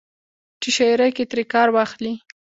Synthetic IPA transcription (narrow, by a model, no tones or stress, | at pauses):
ʈiʃajɾajket̪ɾekɑɾwɑxli